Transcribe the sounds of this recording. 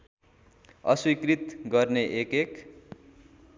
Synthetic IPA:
ʌ̰swikrit̪ɡʌrneʔekek

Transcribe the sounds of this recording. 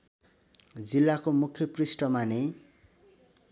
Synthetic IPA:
d͡zilːakomukʰːjʌprisʈʌmane

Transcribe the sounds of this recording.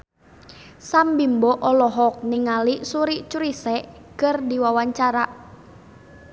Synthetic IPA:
sambimbɔʔɔlɔɦɔk̚niŋaliʔsuɾiʔt͡ʃuɾisɛʔkərdiwawaɲt͡ʃaɾaʔ

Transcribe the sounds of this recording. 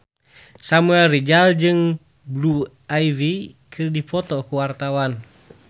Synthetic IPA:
samuɛlrid͡ʒald͡ʒɨŋ | blu | ajvikʰɨrdipɔt̪ɔkuwart̪awan

